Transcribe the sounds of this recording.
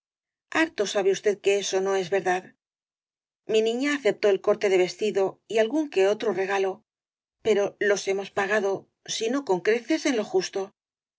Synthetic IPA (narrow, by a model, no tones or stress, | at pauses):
aɾt̪o̞saβ̞eust̪e̞ðke̞eso̞no̞e̞zβe̞ɾðað | minĩɲaːθe̞p̚t̪o̞elko̞ɾt̪e̞ðe̞β̞e̞st̪iðo̞ialɣuŋke̞o̞t̪ɾo̞re̞ɣ̞alo̞ | pe̞ɾo̞lo̞se̞mo̞spaɣ̞aðo̞ | sino̞ko̞ŋkɾe̞θe̞se̞nlo̞xust̪o̞